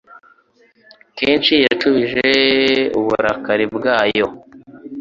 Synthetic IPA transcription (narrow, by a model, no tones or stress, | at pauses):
keːnʃijat͡ʃuβiʒeuβuɾakaɾibɡaːjo̞